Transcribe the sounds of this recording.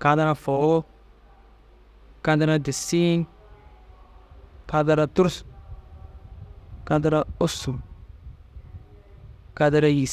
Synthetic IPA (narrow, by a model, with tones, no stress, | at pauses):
ka˨ta˦ɾa˦˨fo˨ɡo˦ | ka˦nta˦ɾa˦˨di˨si˦n | ka˦da˦ɾa˨tu˦ɾs | ka˦da˦ɾa˦o˦su˨ | ka˦da˦ɾa˦ji˨